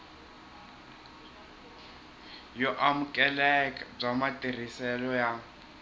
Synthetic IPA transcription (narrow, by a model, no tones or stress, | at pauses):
jɔʔamʊkʼɛlɛkʼab͡ʐamatʼir̤isɛlɔja